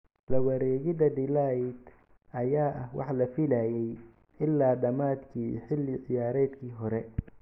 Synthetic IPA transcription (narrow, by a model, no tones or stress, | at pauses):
lɐwɐɾɛːɣɪdɐd̪ɪlajd̪ | ʔɐjaːʔɐhwʔɑ̰ħlɐfɪlaːjɛj | ɪlːaːɖɐmaːd̪kʰiːħɪlːɪʕɪjaːɾɛːd̪kʰiːɦɔɾɛ